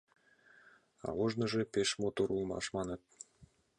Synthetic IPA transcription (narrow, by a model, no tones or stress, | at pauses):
ɑ̰βɤ̆ʒnɤ̆ʒĕpeʃmot̪oɾulˠmɑ̰ʃmɑnɤ̆t̪̚